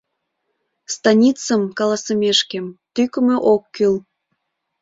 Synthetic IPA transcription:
st̪ɑnʲit͡səmkɑlɑsəmʲeʃkemt̪ykəmeʔokːyl

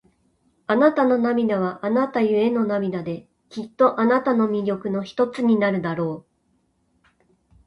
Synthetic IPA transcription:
anat̪ano̞namʲid̪aβ̞aʔanat̪ajɯ̟e̞no̞namʲinad̪e̞ | kʲit̪ːo̞ʔanat̪ano̞mʲiɾʲo̞kɯ̟no̞çi̥t̪o̞t͡sɨɲ̟inaɾɯ̟d̪aɾo̞ː

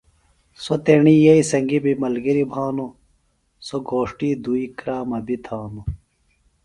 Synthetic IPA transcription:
sot̪eɳiːjɐisɐŋɡibimɐlɡiɾibʱaːnu | soɡoːʂʈiːd̪uikɾaːmɐbit̪ʰaːnu

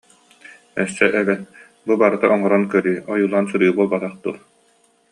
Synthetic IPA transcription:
ɛssɛʔɛbɛn | bubaɾɯt̪aʔɔŋɔɾɔnkœɾyːɔjuːlˠaːnsuɾɯːbuɔlˠbat̪aχd̪uːɾ

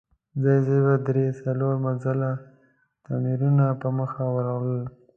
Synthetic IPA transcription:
zajzebad̪ɾesaloɾmazala | t̪amiɾunapəməxawəɾawləl

